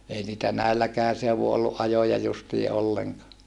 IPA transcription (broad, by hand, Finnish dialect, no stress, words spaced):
ei niːtæ næilːækæːn seuʋu olːuʔ ʔɑjojɑ justiː ʔolːeŋkɑː